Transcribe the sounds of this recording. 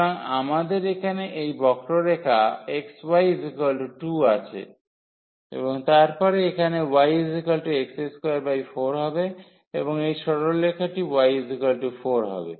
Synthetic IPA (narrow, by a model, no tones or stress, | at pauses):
ɾaŋa̰mad̪eɾekʰaneʔejbɔkʈolekʰaekswajzikəlɖʈuat͡ɕʰḛ | ḛboŋt̪aɾpɔɾeekʰanewajizikalʈiekseskɾebajfoɾɦɔbe | eboŋejʃɔɽollekʰaʈiwajizikalʈufoɾɦɔ̰bḛ